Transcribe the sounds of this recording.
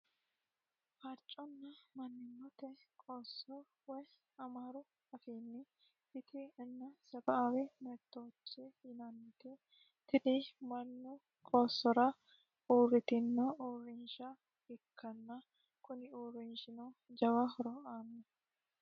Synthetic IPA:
fɐɾt͡ʃʼːɔnːɐmɐnːɪnːɔt̪ɛkʼoːsːɔ | wɔj | ɐmaːɾʊ | ɐfiːnːɪ | ɪt̪ʰɪɪnːɐsɐbɐawɛmɐɾt̪ːoːt͡ʃːɛjɪnɐnt̪ɛ | t̪ɪnɪmɐnːʊ | kʼoːsːɔɾɐ | uːrɪt̪ɪnːɐuːrːɪnʃɐ | ɪkʰːɐnːɐ | kʊnɪuːrɪnʃɪnoːd͡ʒɐwahɔɾɔaːnːɛ

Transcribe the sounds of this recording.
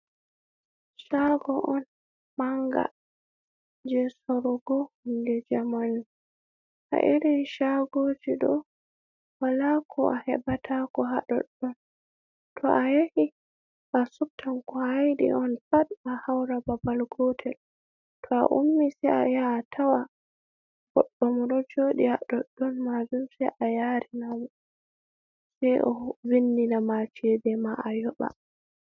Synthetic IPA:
ʃaɡɔʔɔn | maŋɡa̰ | d͡ʒɛsoɾɔɡɔndɛd͡ʒamani | ʔa̰ʔeɾinʃaɡod͡ʒiɗɔ | walakʰɔʔa̰hɛbatʰakɔɦaɗɔ̰ɗɔn | tʰɔʔajahi | ʔasuk̚tʰamkɔajɗḭɔnfatahawɾababalɡɔtʰɛl | tʰɔa̰ʔumːisɛja̰jaːtʰawa | ɡɔɗːɔmɔɾɔd͡ʒoɗihaɗɔɗːɔnmazumsɛʔajaɾinamɔ | sɛjʔɔvinːinamat͡ʃɛdɛmaajɔɓa̰

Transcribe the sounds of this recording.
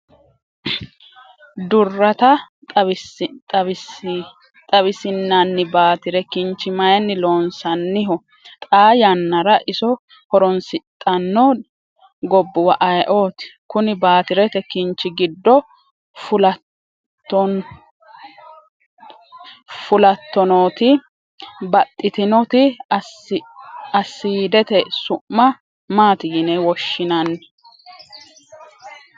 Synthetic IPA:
d̪ʊrːɐt̪ɐ | t̪ɐt̪ʼɐɪ | t̪ʼɐβɪsɪnːɐnːɪbaːt̪ɪɾɛkɪnt͡ʃːɪmɐjɛnːɪlo̞ːnsɐnːɪɦɔ | t̪ʼaːjɐnːɐɾɐʔɪsɔ | hɔɾɔnsɪt̪ʼːɐnːo | ɡɔbːʊwɐʔɐjʔo̞ːt̪ɪ̥kʊnɪbaːt̪ɪɾɛt̪ɛkɪnt͡ʃːɪɡɪd̪ːɔ | fʊlɐ | ɔ | fʊlɐt̪ːɔnoːt̪ɪ | bɐt̪ʼːɪt̪ɪnɔt̪ɪ | ɐsːiːd̪ɛt̪ɛsʊmːɐ | maːt̪ɪjɪnɛwɔʃːɪnɐnː

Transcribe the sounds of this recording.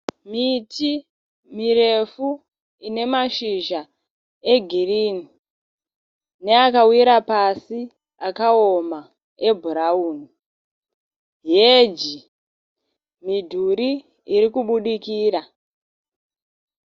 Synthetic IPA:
mitʰi | miɾe̞fu | ine̞maʃiʒa | e̞ɡʱiriːni | ne̞akawiɾapasi | akaoma | e̞bʱuɾauːni | jed͡ʒi | midʱuɾi | iɾikuɓuɗikiːra

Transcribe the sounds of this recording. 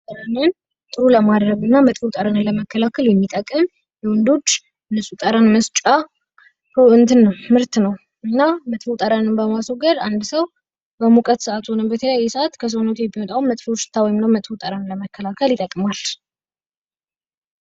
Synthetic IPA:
t̪ʼəɾanɨn | t̪ʼɨɾuləmad̪ɾəɡɨnːamət̪ʼfut̪ʼəɾanɨnləməkʰːəlakʰəljɛmːit̪ʼəkʼːɨm | jɛwɔnd̪o̞t͡ʃː | nɨsʼut̪ʼəɾanməst͡ʃʼa | huʔɨnt̪ʰɨnːəwmɨɾt̪nəw | ɨnːamət̪ʼfot̪ʼəɾanɨnbəmasoɡəɾand̪səw | bəmukʼət̪sɨʔat̪honɨmbət̪ʰələjajːɛsɨʔat̪kʰəs̬onət̪ujɛmːimət̪ʼawmːət̪ʼfot͡ʃt̪ʰːawɔjɪmnəwmət̪ʼfut̪ʼəɾanləməkʰːəlakʰəljɪt̪ʼəkʼmal

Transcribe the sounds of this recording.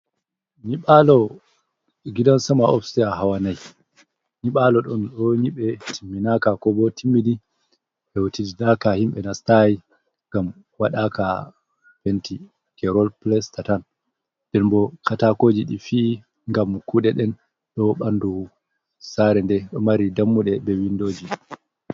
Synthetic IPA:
ɲiɓalɔ | ɡidansamaɔ̰fstɛjaɦawanaj | ɲiɓalɔɗɔnɗɔɲiɓɛtʰimːinakakɔbɔtʰimːidi | ɛwotididakahimɓɛnastaji | ŋɡam | waɗaka | fenti | kɛɾɔlplɛstatan | d̥ɛnbɔkʰatakoːd͡ʒiɗḭfiː | ŋɡamkuɗɛɗɛn | ɗɔɓandu | saɾɛndɛɗɔmaɾidamːuɗɛbɛwindoːd͡ʒi

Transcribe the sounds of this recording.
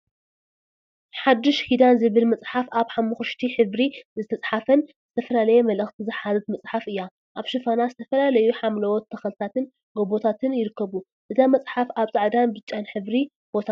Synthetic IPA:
ħad̪ːɨʃhid̪anzɨβɨlmɐt͡sʼħafaβħamːɨxuʃt̪ʰiħɨβɾizɨt̪ʰɐt͡sʼħafɐnzɨt̪ʰɐfɐlalɐjemɐlɐxt̪ʰizɨħazɨt̪mɐt͡sʼħafɨjːa | ʔaβʃɨfɐnazɨt̪ʰɐfɐlalɐjuħamlɐwɔt̪ʰːɐxɐlt̪ʰat̪ʰɨn | ɡobo̞t̪ʰat̪ʰɨnjɪɾɨkʰːɐβu | ʔɨt̪ʰamɐt͡sʼħafaβt͡sʼaʕd̪anbɨt͡ʃʼːanħɨβɾi | b̥o̞t̪ʰa

